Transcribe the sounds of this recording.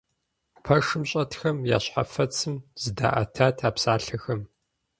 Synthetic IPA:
pʰɐʂɨmɕʼɐtxɐmja̰ːɕħa̰fɐt͡sʰɨmz̥ɨda̰ːʔɐ̰tʰaːtʰaːpsaːɬɐxɐm

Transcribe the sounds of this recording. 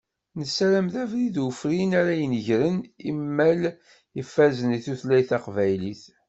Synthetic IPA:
nəsɾæmðævɾiðwəfɾinaɾæjənəʝɾənimːæl | ifːæzəniθuθlæjθæqvæjliθ

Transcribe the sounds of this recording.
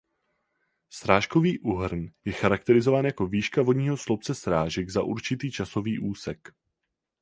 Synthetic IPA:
sɾaːʃko̞viːʔuɦr̩njɛxaɾak̚t̪ɛɾɪzo̞vaːnjako̞viːʃkavo̞dɲiːɦoslop̚t͡sɛsɾaːʒɛɡzaʔṵɾt͡ʃɪt̪iːt͡ʃaso̞viːʔuːsɛk

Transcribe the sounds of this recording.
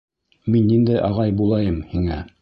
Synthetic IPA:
minːind̪æjʔɑʁɑjbulˠɑjɤmhiŋæ

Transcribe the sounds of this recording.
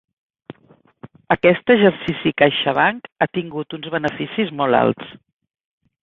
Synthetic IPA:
əkɛst̪əʒəɾsisikajʃəβaŋkat̪iŋɡut̪unzβənəfisizmɔlˠa̰lˠt̪s

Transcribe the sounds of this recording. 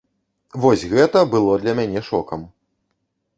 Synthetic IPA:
vɔsʲɣɛt̪ɐbɨlˠɔd̪lʲɐmʲanʲɛʂɔkɐm

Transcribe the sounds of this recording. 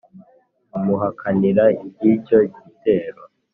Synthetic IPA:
umuɦakʰaniɾaibɟico̞ɟite̞ːɾo

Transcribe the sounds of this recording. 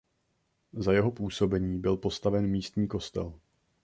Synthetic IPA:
zajɛɦo̞puːso̞bɛɲiːbɪlpo̞st̪avɛnmiːst̪ɲiːko̞st̪ɛ̰l

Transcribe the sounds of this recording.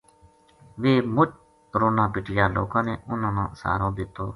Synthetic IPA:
ʋeːmʊt͡ʃ | ɾoːnãːpɪʈʰɪjaːlo̰ːkãːneːʔʊnãːnã̰ːsa̰ːɾõːd̪ɪt̪ːoː

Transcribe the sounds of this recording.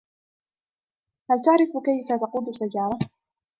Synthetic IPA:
halt̪aʕɾɪfkajfat̪ɑquːd̪ʊsːajːɑːɾˤɑ

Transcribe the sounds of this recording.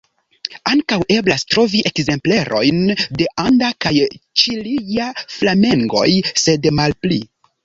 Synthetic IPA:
aŋkawʔe̞blastɾo̞viʔe̞kze̞mple̞ɾʔo̞̰jnde̞ʔandakajt͡ʃilijaflame̞ŋɡo̞̰jse̞dmalpli

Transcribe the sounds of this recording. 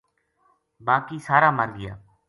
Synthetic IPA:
baːkiːsaːɾaːmaːɾɡɪja̰ː

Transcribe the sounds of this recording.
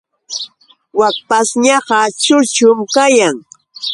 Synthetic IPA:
wak̚pasɲɑɢɑt͡ʃʊt͡ʃʊmkajaŋ

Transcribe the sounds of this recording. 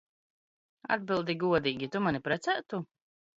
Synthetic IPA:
a̰d̪̚bʲilˠd̪iɡuɔd̪iːɡʲit̪umanipɾɛt̪sæːt̪u

